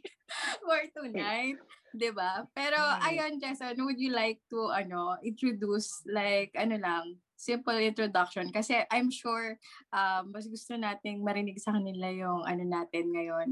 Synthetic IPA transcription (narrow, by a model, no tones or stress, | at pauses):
foɹt̪unajt̪̚d̪ɪbapɛːɾo̞ʔɐjond͡ʒɛsonwʊd̪jʊlajk̚t̪uʔɐno̞ʔɪnt̪ɾod̪uslajkʔɐno̞lɐŋ | sɪmpɐlɪ̃nt̪ɾod̪ak̚ʃɔnkɐsɛʔajmʃuɹʔɐmːɐs̬ɡʊst̪o̞naːt̪ɪŋmɐɾɪnɪɡsɐkɐnɪlajʊŋʔɐ̰no̞naːt̪ɪnŋɐjon